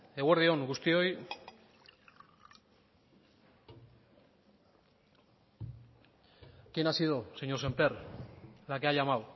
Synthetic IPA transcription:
e̞ɣweɾðio̞ŋɡust̪io̞j | kenasiðoseɲose̞mpe̞ɾ | lakeaʎamaw

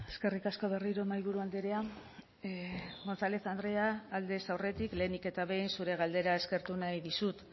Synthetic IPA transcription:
e̞ske̞rikasko̞β̞e̞riɾomajβuɾuald̪eɾea | mo̞nθale̞θand̪ɾe̞aːld̪e̞sawre̞t̪ikle̞ːnike̞t̪aβe̞jnsuɾe̞ɣ̞ald̪e̞ɾae̞ske̞ɾt̪unajðisut̪

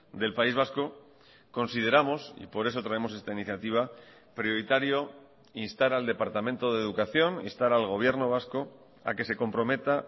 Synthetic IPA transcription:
d̪e̞lpaizβ̞asko̞ | ko̞nsið̞e̞ɾamo̞sḭpo̞ɾe̞so̞t̪ɾae̞mo̞s̬e̞st̪ainiθjat̪iβ̞a | pɾjo̞ɾit̪aɾjo̞ | inst̪aɾald̪e̞paɾt̪amẽnt̪oðe̞ːðukaθjo̞nḭnst̪aɾalɣ̞o̞β̞je̞ɾno̞βasko̞ | a̰ke̞se̞ko̞mpɾo̞me̞t̪a

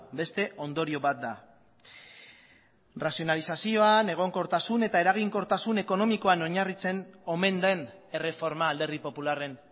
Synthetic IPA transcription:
be̞st̪e̞ʔo̞nd̪o̞ɾio̞βat̪̚d̪a | rasio̞nalisasio̞ane̞ɣ̞o̞ŋko̞ɾt̪asune̞t̪ae̞ɾaɣ̞iŋko̞ɾt̪asune̞ko̞no̞miko̞ano̞ɲarit͡se̞no̞me̞nd̪e̞ne̞re̞fo̞ɾmaːld̪eripo̞pulare̞n

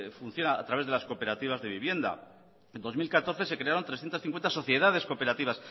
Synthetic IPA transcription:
fun̟θjo̞na̰ːt̪ɾaβe̞zðe̞lasko̞pe̞ɾat̪iβ̞azðe̞βiβje̞nd̪a̰ | end̪o̞zmilkat̪o̞ɾθe̞se̞kɾe̞aɾo̞nt̪ɾesθje̞nt̪asθiŋkwe̞nt̪aso̞θje̞ðaðe̞sko̞pe̞ɾat̪iβas

